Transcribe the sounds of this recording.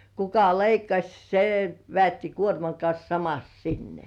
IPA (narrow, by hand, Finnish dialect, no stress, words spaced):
kukɑ leikːɑsʲ se ʋĕæˑtːi kuormɑŋ kɑns sɑmɑs sinːe